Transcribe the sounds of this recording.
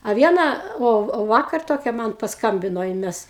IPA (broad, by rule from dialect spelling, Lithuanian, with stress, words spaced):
ɐ ˈʋʲiɛnɐ oː ˈoː ˈʋɑːkɐr ˈtoːkʲɛ ˈmɐn pɐsˈkɐmʲbʲɪnoː ˈjɪn ˈmʲɛs